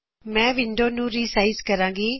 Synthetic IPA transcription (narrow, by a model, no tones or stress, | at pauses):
mɛ̃ːʋɪɳɖoːnũːɾiːsaːizkəɾãːɡiː